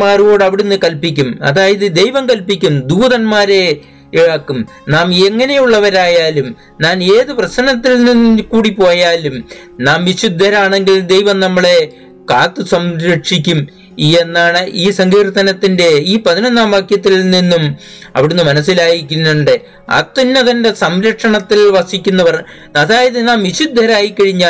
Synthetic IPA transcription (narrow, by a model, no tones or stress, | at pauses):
maːro̞ːɽɐʋiɽunːɨkɐlpikʲːumɐ̰ðaːjɐðɨd̪e̞jʋɐmkɐlpikʲːumd̪uːðɐnmaːɾe̞ | iɻɐkːum | naːmeŋːɐne̞juɭːɐʋɐɾaːjaːlum | naːne̞ːðɨprɐsnɐt̪ːilninːkuːɽipo̞ːjaːlum | naːmʋiɕud̪ʱːɐɾaːɳe̞ŋɡild̪e̞jʋɐmnɐmːɐɭe̞ | kaːt̪ːɨsɐmɾɐʈʂikʲːum | enːaːɳɨʔiːsɐŋɡiːrt̪ːɐnɐt̪ːinde̞iːpɐðinɐnːaːmʋaːkjɐt̪̬ːilninːum | ɐ̰ʋiɽenːumɐnɐsːilaːjikʲːunːuɳɖɨ | ɐ̰t̪ːinːɐðɐnde̞sɐmɾɐʈʂɐɳɐt̪ːilʋɐsikʲːunːɐpɐrɐɲ | ɐðaːjɐðɨnaːmʋiɕud̪ʱːɐɾaːjikːɐɻiɲːaː